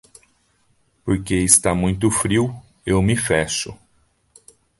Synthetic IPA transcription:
poɾkeɪst̪amũj̃t̪ʊfɾiw | ewmɪfɛʃʊ̰

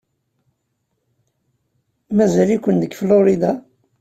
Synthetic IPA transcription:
mæzælikʷənd̪əɡflʊɾid̪a

